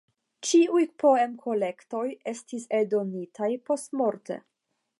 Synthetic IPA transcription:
t͡ʃiujpo̞e̞mkʰo̞le̞kto̞je̞stisedo̞nitʰajpo̞stmo̞ɾte̞̰

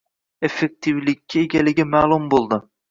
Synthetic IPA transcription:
efek̚t̪ʰivlɪkʲʰːieɡʲɛlɪɡʲimæːlˠumbolˠd̪ɨ

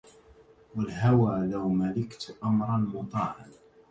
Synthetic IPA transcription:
walɦawaːlawmalɪkt̪ʔamɾˤɑnmʊt̪ˤɑːʕɪn

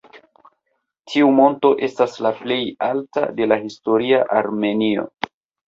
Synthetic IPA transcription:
tʰiumo̞nto̞ʔe̞staslaple̞jalta̰de̞lahisto̞ɾiaʔaɾme̞nio̞̰

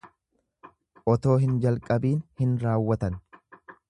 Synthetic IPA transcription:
ʔɔt̪o̞ːɦɪnd͡ʒɐlkʼɐbiːnhɪnɾaːwːɐt̪ɐn

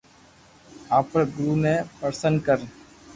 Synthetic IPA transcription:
aːpɾɡɾuːmẽːpəɾsənkəɾ

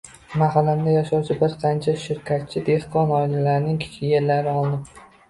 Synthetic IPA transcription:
maɦalamd̪ajaʃɒwt͡ʃʰɪbɪɾqʰɑnt͡ʃʰaʃɪɾkʲʰat̪̚t͡ʃʰːɪd̪e̞hqɒnɒɪlalaɾnɪŋkʲʰɪ̥t͡ʃʰɡʲɪjʲeɾlaɾɪɒlˠɪnɪp

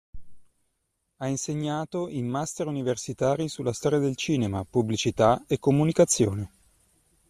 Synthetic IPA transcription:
ainseɲːaːt̪oimmast̪eɾuniversit̪aːɾisulːast̪ɔːɾjad̪elt͡ʃiːnemapublit͡ʃit̪aekːomunikat̪sːjo̰ːne

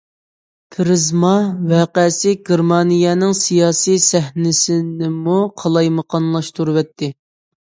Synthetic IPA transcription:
pʰɪɾɪzmɑwɛːqɛsɪɡʲeɾmɑnijɛnɪŋsijɑːsisɛɦnɪsɪnɪmuqʰɑlˠɑjməqʰɑnlˠɑʃt̪ʰuɾwɛt̪ʰːɪ

